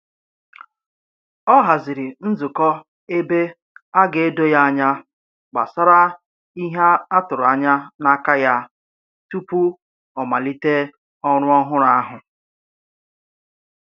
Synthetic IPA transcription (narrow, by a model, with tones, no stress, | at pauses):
ɔ˦ɦa˨zi˨ɾi˨n̩˦zʊ˨kɔ˦ | e˦be˦ | a˦ɡe˨e˦do˦ja˦a˦ɲa˦ | ɡ͡ba̰˨sa˦ɾa˦ | i˦ɦa˦a˦tʊ˨ɾʊ˨a˨ɲa˦na˦ka˦ja˦ | tu˦pu˦ | ɔ˨ma˨li˦te˦ | ɔ˦ɾʊ˦ɔ˦ɦʊ˦ɾa˦ɦʊ˨